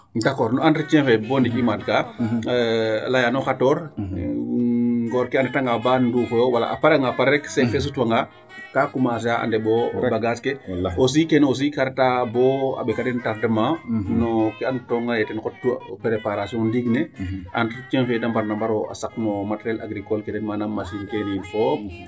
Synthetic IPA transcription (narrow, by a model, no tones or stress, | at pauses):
dakɔːɾnɔanɾit͡ʃɛ̃nfɛbɔndikimatka | lajanɔkatɔːɾ | ɡɔɾkɛandɛtaŋɡabandufɔjɔwala̰ʔapaɾaŋɡapaɾɾɛksɛfɛs̬utwaŋɡa | kakumas̬aʔa̰ndɛbɔbaɡaskɛos̬ikɛnos̬ikaɾtabɔa̰bɛkadɛntaɾdəmanɔkɛantɔŋɡajɛtɛnkɔtːṵpɾepaɾasiɔ̃ndiɡnɛʔantt͡ʃɛnfɛdampaɾnambaɾɔa̰saknɔmatɾɛla̰ɡɾikɔlkɛdɛnmanamːasinkeninfɔ